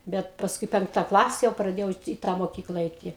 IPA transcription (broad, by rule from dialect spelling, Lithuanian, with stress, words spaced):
ˈbʲɛt pɐsˈkʊɪ ˈpʲɛŋktɐ ˈklˠɑːsʲɛ jɛʊ prɐˈdʲeːjɛʊ tʲɪ iː ˈtɑː moːˈkʲiːklˠɐ ˈɐɪtʲɪ